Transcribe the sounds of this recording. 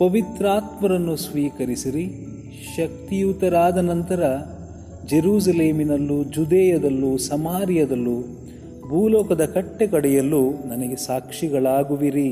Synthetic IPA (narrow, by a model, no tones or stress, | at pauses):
pɐʋit̪ɾaːt̪mɐɾɐnːusʋiːkɐɾisiɾi | ʃɐk̚t̪ijut̪ɐɾaːd̪ɐnɐnt̪ɐɾɐ | d͡ʒeɾuːs̬ɐleːminɐlːud͡ʒud̪ɛːjɐd̪ɐlːusɐmaːɾjɐd̪ɐlːu | bʱuːlɔːkɐd̪ɐkɐʈːekɐɽɛjɐlːunɐnɐɡe̞saːkʂiɡɐɭaːɡuʋiɾi